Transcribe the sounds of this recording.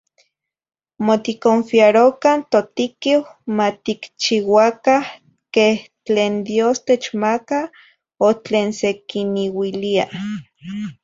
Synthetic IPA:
mot̪ikoɱfiaɾokant̪ot̪ikiwmat̪ikt͡ʃiwakah | keh | t͡ɬeːnd̪joːst̪et͡ʃmaka | ot͡ɬeːnsekiniwilia

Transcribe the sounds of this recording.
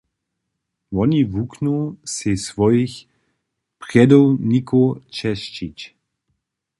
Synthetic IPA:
vɔnivuknusesvɔjix | pʁɛd̪ownikʰot͡ʃɛʃt͡ʃit͡ʃ

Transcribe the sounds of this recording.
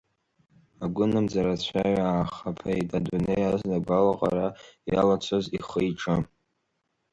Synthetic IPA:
aɡʷʊnɨmd͡zaɾat͡ɕʷʰaɥaaːχapʰaitʼadunejazdaɡʷalaqʼa̰ɾajalat͡ɕʷʰoziχəjʈ͡ʂʰʼɨ

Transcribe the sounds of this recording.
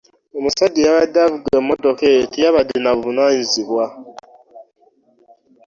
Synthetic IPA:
emusadijaβadavuɡemodoketijaβadinaβunaɲinziβwa

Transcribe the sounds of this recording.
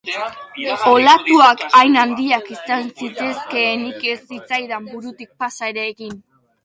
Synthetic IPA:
o̞lat̪uakajnand̪iakisansit̪e̞ske̞ːnike̞sːit͡sajðambuɾut̪ik̚pasaeɾeːɣin

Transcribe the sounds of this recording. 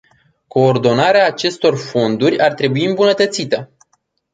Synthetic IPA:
ko̞ːrd̪o̞naɾeaːt͡ʃe̞st̪o̞rfo̞nd̪urʲart̪ɾe̞buiɨmbunət̪ət̪sit̪ə

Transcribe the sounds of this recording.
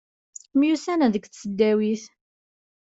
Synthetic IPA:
mjusænæðəkθsəd̪ːæwiθ

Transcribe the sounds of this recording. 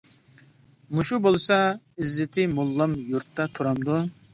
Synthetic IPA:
muʃubolˠsɑ | ɪzːɪt̪ʰɪmulˠːɑmjuɾt̪ːɑt̪ʰuɾɑmd̪u

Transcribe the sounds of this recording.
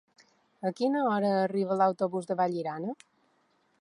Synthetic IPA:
əkinəɔɾəːriβəlawt̪oβuzðəβaʎiɾanə

